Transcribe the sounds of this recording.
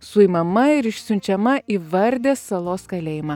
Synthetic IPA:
sʊɪmɐmɐɪɾɪʃʲsʲʊnʲt͡ʃʲɛmɐʔiːʋɐɾʲd̪ʲeːsɐlˠoːskɐlʲeːjɪmɑ

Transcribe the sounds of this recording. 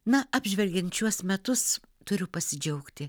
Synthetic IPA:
nɐɑːbʲʒʲʋʲɛlʲɡʲɛnt̪t͡ʃʲuɔsmʲɛt̪ʊs | t̪ʊɾʲʊpɐsʲɪd͡ʒʲɛʊkt̪ʲɪ

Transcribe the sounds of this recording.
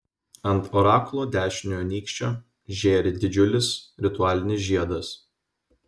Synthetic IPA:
ɐnˑt̪ɔɾɑːklˠoːd̪ʲæːʃʲɪnʲojoːnʲiːkʃʲt͡ʃʲoː | ʒʲeːɾʲɪd̪ʲɪd͡ʒʲʊlʲɪsɾʲɪt̪ʊɑːlʲɪnʲɪs̬ʒʲiɛd̪ɐs

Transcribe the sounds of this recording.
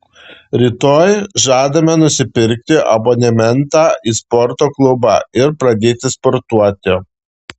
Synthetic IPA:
ɾʲiːt̪oːjʒɑːd̪ɐmʲɛnʊsʲɪpʲɪɾʲk̚t̪ʲɪʔɐ̰bɔnʲɛmʲɛnt̪ɑːiːspɔɾt̪oːklˠʊbɑ̰ɪɾpɾɐd̪ʲeːt̪ʲɪspɔɾt̪uɔt̪ʲɪ

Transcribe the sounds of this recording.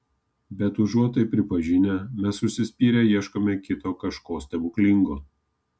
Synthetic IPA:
bʲɛt̪ʊʒuɔt̪ojpʲɾʲɪpɐʒʲɪnʲɛmʲɛsːʊʃʲsʲɪsʲpʲiːɾʲɛjiɛʃkoːmʲɛkʲɪt̪oːkɐʃkoːsʲt̪ʲɛbʊklʲɪŋɡoː

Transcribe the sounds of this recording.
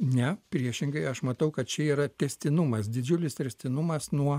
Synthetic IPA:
nʲɛpʲɾʲiɛʃʲɪŋɡɐɪɐʃmɐt̪ɐʊkɐt̪̚t͡ʃʲɛiːɾɐt̪ʲɛsʲt̪ʲɪnʊmɐsd̪ʲɪd͡ʒʲʊlʲɪst̪ʲɛsʲt̪ʲɪnʊmɐsnuɔ

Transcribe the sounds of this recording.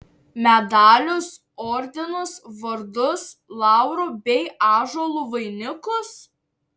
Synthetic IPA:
mʲɛd̪ɑːlʲʊs | ɔɾʲd̪ʲɪnʊsʋɐɾd̪ʊslˠɑˑʊɾʊbʲɛɪɑːʒolˠʊʋɐɪnʲɪkʊs

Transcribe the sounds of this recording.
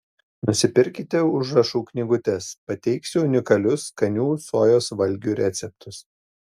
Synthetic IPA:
nʊsʲɪpʲɪɾʲkʲɪt̪ʲɛʊʒɾɐʃuːknʲɪɡʊt̪ʲɛspɐt̪ʲɛɪksʲʊʊnʲɪkɐlʲʊskɐnʲuːsoːjoːsʋɐlʲɡʲuːɾʲɛːt̪sʲɛp̚t̪ʰʊs

